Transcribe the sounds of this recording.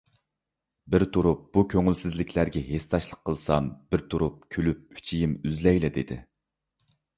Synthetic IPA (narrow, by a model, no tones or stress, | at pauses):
bɪɾt̪ʰuɾup̚b̥ukʲʰøŋylsɪzlɪkʲʰlæɾɡʲɛɦest̪ɑʃlˠəqʰːəlˠsɑmb̥ɪɾt̪ʰuɾup̚kʲʰølyp̚y̥t͡ʃʰijimyzlɛjlɛd̪ed̪ɪ̰